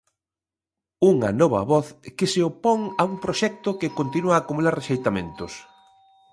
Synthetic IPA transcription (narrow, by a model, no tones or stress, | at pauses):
uŋɐ̰nɔβɐ̰βɔθkɪseopɔŋɐuŋpɾoʃɛk̚t̪ʊkɪkont̪inuaːkumulaɾreʃejt̪amḛ̃nt̪ʊs